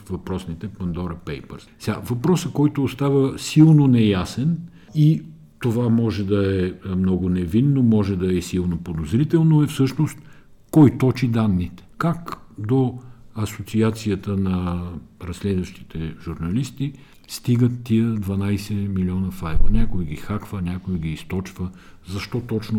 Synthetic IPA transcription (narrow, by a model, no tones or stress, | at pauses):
vɐpɾɔsnit̪ɛpɐnd̪ɔɾɐpɛjpə̰ɾssɛɡa̰vɐpɾɔsəkɔjt̪oːst̪avəsilˠnonɛjasɛn | i | t̪ovamɔʒɛd̪ɐɛmnɔɡʊnɛvinːomɔʒɛd̪ɐɛsilˠnopod̪ozɾit̪ɛlˠnoɛfsɤʃnost̪ | kɔjt̪ɔt͡ʃid̪anːit̪ɛ̥kakd̪oɐsot̪siat̪sijət̪ənɐɾɐslɛd̪vɐʃt̪i̥t̪ɛʒuɾnɐlist̪i | st̪iɡət̪ːiəd̪vɐnajsɛmiliɔnəfajvə̰nʲakojiɡixakvənʲakoiɡiːst̪ɔt͡ʃvə | zɐʃt̪ɔt̪ɔt͡ʃno